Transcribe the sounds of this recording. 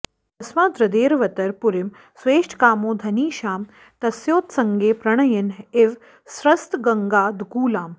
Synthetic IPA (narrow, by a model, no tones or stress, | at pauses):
ɐsmaːd̪ɾɐd̪eːɾʋɐt̪ɐɾpuɾɪm | sʋeːʂʈʰkaːmõːd̪ʱɐniːʃaːm | t̪ɐsjoːt̪sɐŋɡeːpɾɐɳ̃ɐjɐneʋ | sɾɐst̪ɡɐŋɡaːd̪kuːlaːm